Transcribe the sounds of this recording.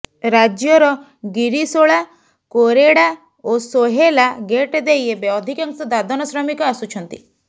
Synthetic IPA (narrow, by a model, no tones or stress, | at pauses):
ɾad͡ʒjɔɾɔ | ɡiɾisoɭa | koɾeɽa | osoɦelaɡeʈd̪ejebeɔd̪ʱikaŋsɔd̪ad̪ɔnɔsɾɔmikɔasut͡ʃʰɔnt̪i